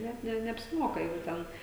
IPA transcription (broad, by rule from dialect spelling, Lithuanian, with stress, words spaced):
ˈnʲɛt nʲɛ nʲɛɐpʲsʲɪˈmoːkɐ jɛʊ ˈtʲɛn